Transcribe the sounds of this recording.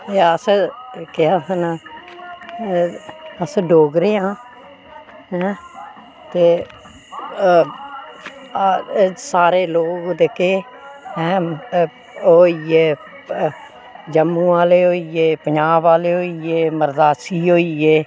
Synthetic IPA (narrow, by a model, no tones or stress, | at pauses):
eəskɪaːsən | əsɖoːɡɾeːãː | ɦɛ̃ː | t̪eː | saːɾeːloːɡd̪ekeː | ɦɛ̃ː | oːieː | d͡ʒəmːũːaːleːɦoːieːpəɲaːbaːleːɦoːieːməɾd̪aːsiːɦoːieː